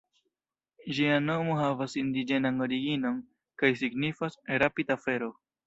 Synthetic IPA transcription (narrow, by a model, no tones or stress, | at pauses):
d͡ʒiano̞mo̞ɦavasind̪id͡ʒe̞nano̞ɾiɡino̞n | kajsiɡnifasɾapidafe̞ɾo̞